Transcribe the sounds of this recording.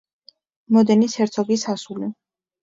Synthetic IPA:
mɔd̪ɛnisɛɾt̪sʰɔɡisasuli

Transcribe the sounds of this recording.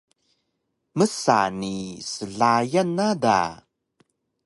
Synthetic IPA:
məsa̰nisəɮajənːada̰

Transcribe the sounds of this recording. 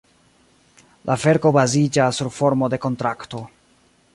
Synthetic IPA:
lʔave̞ɾko̞bazid͡ʒasːuɾfo̞ɾmo̞de̞ko̞ntɾakto̞

